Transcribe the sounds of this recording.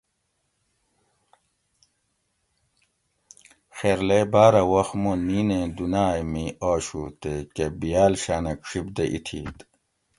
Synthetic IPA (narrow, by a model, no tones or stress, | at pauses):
xeːɾlebaːɾɐwɐxmoniːnẽd̪unaːjmioːɕut̪ekebijaːlɕaːnɐkʂibd̪eʔḭt̪ʰiːt̪